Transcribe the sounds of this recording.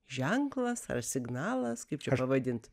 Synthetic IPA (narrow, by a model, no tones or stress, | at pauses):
ʒʲɛŋklˠɐsɐ̰rsʲɪɡnɑːlˠɐskɐɪpt͡ʃʲɛpɐʋɐd̪ʲɪnt̪